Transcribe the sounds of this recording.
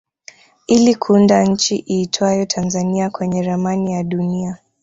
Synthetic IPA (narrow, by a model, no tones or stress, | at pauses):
ilikʰuundaɲ̩t͡ʃiʔiːtʰwajɔtʰanzaniakwɛɲɛɾamanijaɗunia